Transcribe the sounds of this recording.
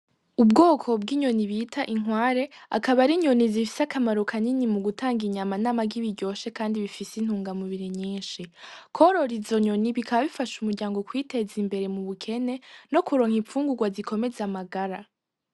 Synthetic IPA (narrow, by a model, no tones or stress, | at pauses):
ubɡoːkʰo̞b̚ɡiːɲo̞niβiːtʰaʔiŋ̥waːɾe̞a̰kaβaɾiɲo̞nizifi̥sakʰamaɾukʰaninimuɡutʰaːŋɡiɲamanaːmaɡiβiɾɟo̞ːʃe̞kaːndiβifisin̥huːŋɡamuβiɾiɲiːnʃikʰoɾo̞ɾizo̞ɲo̞niβikʰaβaβifaʃumuɾɟaːŋɡo̞kwiːte̞zimbe̞ɾe̞muβukʰe̞ne̞no̞kuɾo̞ːŋhiɱfuːŋɡuɡwazikʰo̞me̞zeamaɡaɾa